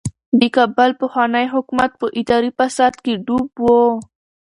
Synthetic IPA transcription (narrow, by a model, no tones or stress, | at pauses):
d̪ikabalpəxwɑnəjɦʊkumat̪̚pəʔɪd̪ɑɾipasad̪keɖubwo